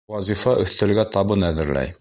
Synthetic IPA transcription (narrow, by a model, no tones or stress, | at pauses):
ɑzifɑʔɵ̆θt̪ɘ̆lɡæt̪ɑbɤnæðɘ̆ɾlæ̰j